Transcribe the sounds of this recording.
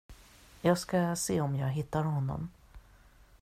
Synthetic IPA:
jɑːɡskaseːɔmjɑːɡɦɪt̪ːaɾhɔnːɔ̰m

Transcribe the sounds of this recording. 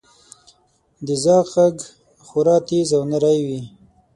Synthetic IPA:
d̪əzɑaɡ | xʊɾɑt̪izawnəɾajwi

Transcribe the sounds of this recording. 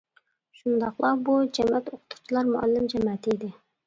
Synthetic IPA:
ʃund̪ɑqlˠɑbud͡ʒɛmɛt̪oqʰʊ̥t̪ʰu̥t͡ʃʰilˠɑɾmuɑ̰lːɪmd͡ʒɛmɛt̪ʰid̪ɪ

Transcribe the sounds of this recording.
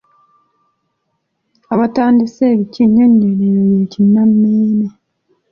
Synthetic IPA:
aβataːndiseːβiciɲːeɲːeneɾojeːcinːamːiːne

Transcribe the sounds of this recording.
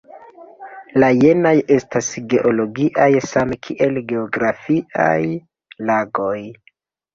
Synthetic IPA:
laje̞naje̞stasɡe̞ʔo̞lo̞ɡiʔajsamkʰiʔe̞lɡe̞oɡɾafiʔa̰j | laɡo̞j

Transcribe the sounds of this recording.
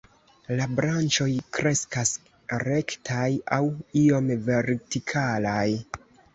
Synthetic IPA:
labɾant͡ʃo̞jkɾe̞skas | ɾe̞ktʰajawio̞mve̞ɾtikʰalaj

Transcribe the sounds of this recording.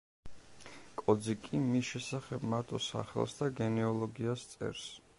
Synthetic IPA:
kʼɔd̪zikʼimisʃɛsaχɛbmaɾt̪ʼɔsa̰χɛ̰lˠsd̪aɡɛnɛɔlˠɔɡiast̪sʼɛ̰ɾs

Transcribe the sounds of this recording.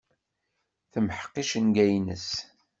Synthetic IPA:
θəmħə̥qːiʃənɡæjnə̰s

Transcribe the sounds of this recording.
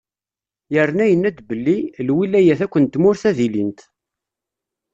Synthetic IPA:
jəɾnæjənːæd̪bəlːilwilːæjæθækʷːənt̪ːmʊɾθæðilint̪

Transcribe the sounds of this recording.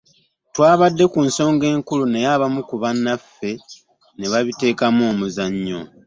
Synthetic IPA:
twaːβadːe̞kunso̞ːŋɡe̞ːŋkulune̞jaβamukuβanːafːe̞ | ne̞βaβite̞ːkamo̞ːmuzaɲːo̰

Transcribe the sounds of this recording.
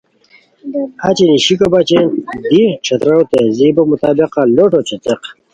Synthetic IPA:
at͡ɕiniɕikobat͡ɕend̪iʈ͡ʂʰɐt̪ɾawt̪ezibomut̪aːbiqaloʈot͡ɕet͡seq

